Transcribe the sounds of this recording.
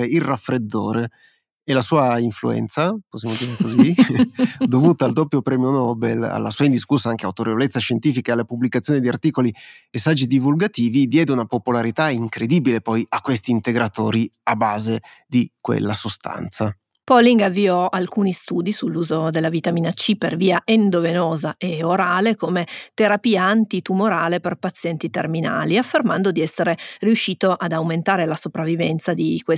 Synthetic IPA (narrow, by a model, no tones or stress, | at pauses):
eirrafːɾed̪ːoːɾe | elasuːaiɱfluɛ̰nt̪saposjamod̪iːɾekozi | d̪ovuːt̪aːld̪opːjopɾɛːmjonɔːbela̰lːa̰suːaind̪iskusːaaŋk̟eawt̪oɾevolet̪sːaʃent̪iːfikaealːapublikat̪sːjoːnid̪iart̪iːkoliesad͡ʒːid̪ivulɡat̪iːvid̪jɛːd̪eunapopolaɾit̪aiŋkɾed̪ibilepɔjakːwest̪iːnt̪eɡɾat̪o̰ːɾiabaːze | d̪ikwḛlːasost̪a̰nt̪sa | pɔliŋɡavːiɔʔalkuːnist̪uːd̪isulːuːzod̪elːavit̪amiːnat͡ʃiperviːaʔend̪ovenɔːzaʔeoɾaːlekomet̪eɾapiːaːnt̪it̪umoɾaːleperpat̪sːjɛnt̪it̪ermina̰ːliafːermand̪od̪iɛsːeɾeriuʃːiːt̪oʔad̪awment̪aːɾelasopɾavːivɛnt̪sad̪ikwe